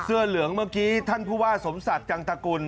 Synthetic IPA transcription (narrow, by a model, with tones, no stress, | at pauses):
sɯ˥˩ɐlɯ˩˦əŋmaː˥˩kiː˦˥t̪ʰa˥˩npʰuː˥˩waː˥˩so˩˦msa˨˩t̪̚t͡ɕa˧ŋt̪a˧ku˧n